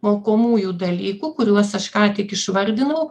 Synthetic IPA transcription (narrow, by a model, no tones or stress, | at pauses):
moːkoːmuːjuːd̪ɐlʲiːkuːkʊɾʲuɔsɐʃkɑːt̪ʲɪkɪʃʋɐɾʲd̪ʲɪnɐʊ